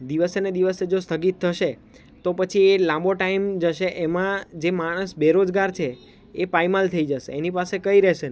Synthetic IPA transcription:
d̪iʋəsened̪iʋəsed͡ʒost̪ʰəɡit̪ʰːəʃe | t̪opət͡ʃʰielãmboʈaimd͡ʒəʃeʔemãd͡ʒemaɽ̃əsbeɾod͡ʒɡaɾt͡ʃʰeː | pajmalt̪ʰəid͡ʒəʃḛenipasekəiɾɛʃen

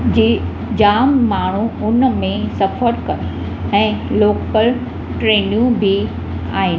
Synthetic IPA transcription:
d͡ʑeː | d͡ʑaːmːaːɳ̤uʊnmẽsɐfəɾkɐɾ | ɛ̃ːloːkpəl | ʈɾeːnijũbʱi | a̰ːɦɪn

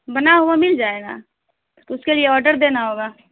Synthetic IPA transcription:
bɐnaɦuamɪld͡ʒaːeːɡa̰ | ʊskelieɔːɾɖəɾd̪eːnaɦoːɡaː

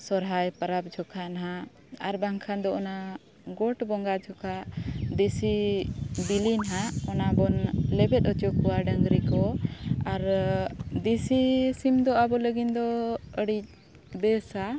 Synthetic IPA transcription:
sɔɾɦajpəɾap̚d͡ʒʱɔkʰanaɦa | aɾbaŋkʰand̪ɔʔɔna | ɡɔʈbɔŋɡad͡ʒʱɔkʰaʔd̪isi | bilinɦaʔɔnabɔnlɛbɛt̪̚ɔt͡ʃɔkɔwaɖəŋɡɾikɔaɾ | d̪isisimd̪ɔabɔləɡind̪ɔəɽic̚ | d̪ɛsa

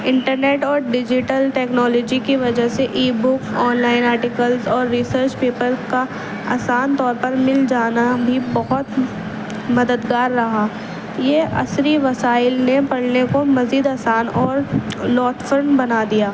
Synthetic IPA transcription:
ɪ̃ɳʈəɾneːʈɔːɾɖɪd͡ʒɪʈəlʈɛːknɔːlɔːd͡ʒikiʋɐd͡ʒəɦseʔiːbʊkɔːnlaːɪnaːɾʈɪkəlzɔːɾːisəɾt͡ʃpeːpəlka | a̰ːsaːnt̪ɔːɾpɐɾmɪld͡ʒaːnabʱibɐɦʊt̪ | mɐd̪əd̪ɡaːɾːɐɦaː | jeʔɐ̰sɾiʋɐsaːɪlnepɐɽnekomɐziːd̪aːsaːnɔːɾlɔːʈfəɾɳbɐnad̪ijaː

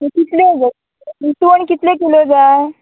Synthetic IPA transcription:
kit̪led͡za | bit̪uənkit̪lekilod͡zae

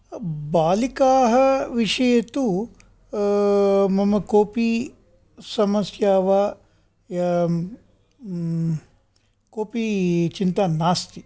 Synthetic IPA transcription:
baːlikaːɦɐʋiʂɐjɐt̪u | mɐmɐkoːpi | sɐmɐsjaːʋa | koːpit͡ʃint̪anaːst̪i

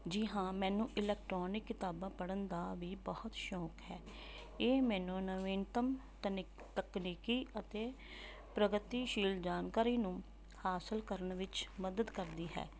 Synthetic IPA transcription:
d͡ʒiɦãːmɛ̃ːnũːʔɪlɛːk̚ʈɾoːnɪkːɪt̪aːbãːpəɽənd̪aːʋiːbəhʊt̪ʃɔːkɦɛː | eːmɛ̃ːnũːnəʋeːnt̪əmt̪ən | t̪əkniːkiːʔət̪eː | pɾəɡət̪iːʃiːld͡ʒaːnkaːɾiːnũː | haːsəlkəɾəɳʋɪt͡ʃməd̪əd̪kəɾd̪iːɦɛ̰ː

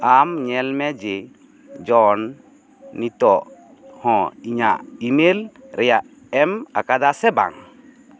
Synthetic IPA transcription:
amɲɛlmɛd͡ʒɛ | d͡ʒɔnː | it̪ɔʔ | hɔ̃iɲa̰ʔimelɾɛjaʔ | ɛma̰kad̪asɛba̰ŋ

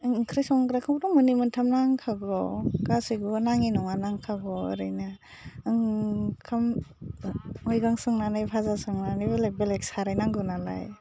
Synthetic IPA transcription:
ŋŋkʰɾijsɔŋkɾakʰaŋptɔŋmunimɯntʰamnaŋkʰaɡɔkasɯjɡunaŋinɔŋanaŋkʰaɡɔ̰ːɾɯjna | ŋkʰam | ɔjɡaŋsɯŋnanajpʰazasɯŋnanɯjbelek̚belek̚saɾajnaŋɡɯnala̰j

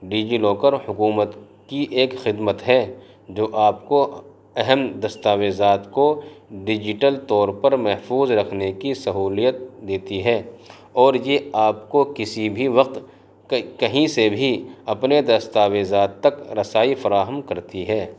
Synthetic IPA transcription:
ɖiːd͡ʒiloːkəɾhʊkuːmət̪ | kiʔeːkxɪd̪mət̪ɦɛ | d͡ʒoːʔaːpko | ɛɦɛmd̪ɐst̪aːʋeːzaːt̪koɖɪd͡ʒɪʈəlt̪ɔːɾpɐɾmɛɦfuːzɾɐkʰnekisɐɦuːlijət̪̚d̪eːt̪iɦɛː | ɔːɾjeaːpkokɪsibʱiʋɐq̚t̪ | kɐɦĩsebʱiɐpned̪ɐst̪aːʋeːzaːt̪ːɐkɾɐsaːifɐɾaːɦəmkɐɾt̪iɦɛː

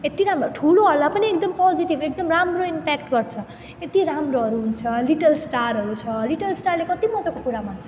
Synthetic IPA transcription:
et̪iɾamɾoʈʰuloɦʌɾlapʌniek̚d̪ʌmpɔd͡ziʈibek̚d̪ʌmramroimpɛkʈɡʌɾt͡sʰʌ | et̪iɾamroɦʌɾuɦunt͡sʰʌliʈʌlsʈaɾɦʌɾut͡sʰʌliʈʌlsʈarlekʌt̪imʌd͡zʌkokuɾamant͡sʰʌ

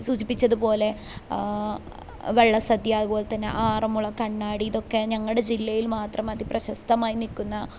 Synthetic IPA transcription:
sud͡ʑipːit͡ɕːɐðupo̞ːle̞ | ʋeɭːɐsɐd̪jaːðupo̞ːlet̪ːɐnːḛʔaːrɐmuɭːɐkɐɳːaːɽiiðo̞kːe̞ɲɐŋːɐɭɽe̞d͡ʑilːɐjilmaːt̪rɐmɐðiprɐɕɐst̪ɐmaːjinilkʲːunːɐ

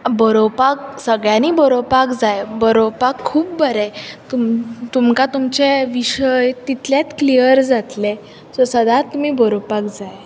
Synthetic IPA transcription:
bəɾopaksəɡɭjãnibəɾopakd͡zajbəɾopakʰːuːpbəɾɛt̪umt̪umkat̪umt͡ɕeʋiɕəjt̪it̪ljat̪klijəɾd͡zat̪le | sɔsəd̪ãt̪ːum̤iːbəɾopakd͡zaj

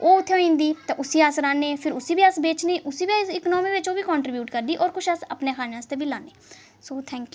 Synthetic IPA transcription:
oːʊt̪ʰːeõːĩːnd̪iːt̪ãːʔʊsiːasɾãːnːeːpʰɪɾʊsiːbiːəsbeːt͡ʃneːʔʊsiːbiːɪknoːmiːʋɪt͡ʃoːbiːkɔ̃ːɳʈɾɪbjuːʈkəɾd̪iːʔɔːɾkʊʃəsə̰pneːkʰaːnaːst̪eːbiːlãːneː | soːt̪ʰɛ̃ːŋkj

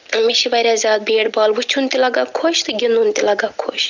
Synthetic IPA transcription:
ɐmiʃiʋɐɾʲjaːzʲaːd̪̚beːɽbaːlʋut͡ʃʰunt̪ʲilɐɡaːkʰoʃt̪ɨɡʲinunt̪ʲilɐɡaːkʰo̰ːʃ

